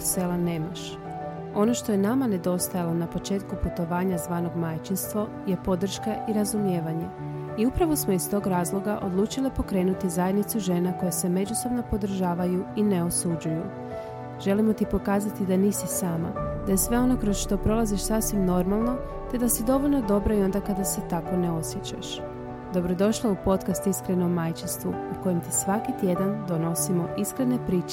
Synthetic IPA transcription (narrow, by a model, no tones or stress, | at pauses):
se̞lane̞ːmaʃ | o̞no̞ʃt̪o̞jenamane̞d̪o̞st̪ajalo̞napo̞t͡ʃe̞ːt̪kuput̪o̞ʋaːɲazʋaːno̞ɡmajt͡ʃinst̪ʋo̞ | je̞po̞d̪r̩ʃkaʔiɾazumje̞ːʋaɲe̞ | iupɾaʋo̞smo̞ist̪o̞ːɡɾaːzlˠo̞ɡaʔo̞d̪lˠuːt͡ʃilipo̞kɾe̞ːnut̪izajed̪nit̪suʒe̞nako̞jese̞me̞d͡ʑuso̞bno̞po̞d̪r̩ʒaːʋajuine̞o̞sud͡ʑuju | ʒ̥e̞limo̞t̪ipo̞kaːzat̪id̪aniːsisaːma̰d̪ajesʋe̞o̞no̞kɾosʃt̪o̞pɾo̞laziʃsasʋimno̞ɾmalˠno̞ | t̪e̞d̪asid̪o̞ʋo̞ʎnod̪o̞bɾaio̞nd̪akad̪ase̞t̪ako̞ne̞o̞sjet͡ɕa̰ʃ | d̪o̞bɾo̞d̪o̞ʃlˠaupo̞t̪kast̪iskɾe̞no̞mːajt͡ʃinst̪ʋuuko̞jemt̪isʋakit̪je̞d̪and̪o̞no̞simo̞ʔiskɾene̞pɾiːt͡ʃe